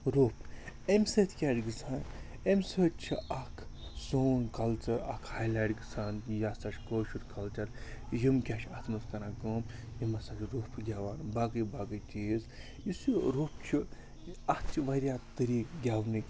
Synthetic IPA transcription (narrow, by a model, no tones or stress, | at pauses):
ɾoːpʰemʲseːt̪ʰkʲaːʈɡɨsʰaːn | emʲsəːt̪̚t͡ʃʰiɐkʰsoːnkɐlt͡ʃɐɾɐ̰kʰhaːjlaːʈɡɨsʰaːnjasɐʃkoːʃuɾkɐlt͡ʃɐɾjimkʲaʃat̪ʰmɐskɐnaːɡoːmjimɐsat͡ʃɾopʰɡʲaːʋaːnbaːɡɨjbaːɡɨt͡ʃʲiːz | jisuɾoːpʰt͡ʃʰi | ɐt̪t͡ʃʰiʋɐɾjat̪ɨɾiːkɡʲaːʋnɨ